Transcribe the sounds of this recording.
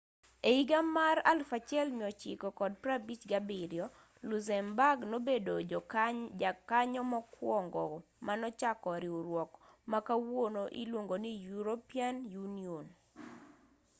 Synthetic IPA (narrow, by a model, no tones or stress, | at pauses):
eiɡamaɾa̰lfat͡ʃɛlmɪɔt͡ʃɪ̰kɔkɔd̚pɾabit͡ʃɡabiɾjɔ | luzɛmbaɡnobedo | kaɲɔmɔkwɔŋɡɔ | manɔt͡ʃakɔɾɪoɾwɔkmakawonoʔḭlwoŋɡonijuɾopianjunion